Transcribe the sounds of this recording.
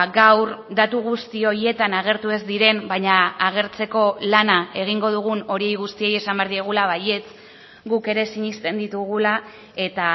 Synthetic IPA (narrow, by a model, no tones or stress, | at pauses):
ɡawɾd̪at̪uɣ̞ust̪io̞ɾie̞t̪anaɣ̞e̞ɾt̪ue̞zd̪iɾe̞mbajɲaaɣe̞ɾt͡se̞ko̞lanae̞ɣ̞iŋɡo̞ðuɣ̞uno̞ɾie̞jɣust̪ie̞je̞sambeɾðieɣ̞ulaβaje̞t͡s | ɡuke̞ɾe̞siɲist̪e̞nd̪it̪uɣ̞ula | e̞t̪a